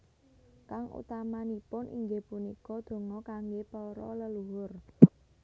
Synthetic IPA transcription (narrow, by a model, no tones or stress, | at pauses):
kaŋʔṵt̪amanipʊnʔḭŋɡepunikɔd̪̥o̤ŋɔkaŋɡepɔɾɔ̰ləluwʊr